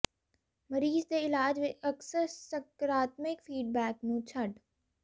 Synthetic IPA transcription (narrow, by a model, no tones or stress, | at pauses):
məɾiːzd̪eɪlaːd͡ʒʋeʔɐksəɾsəkɾaːt̪mɪkfiːɖ̚bɛːknũːt͡ʃʰɐɖ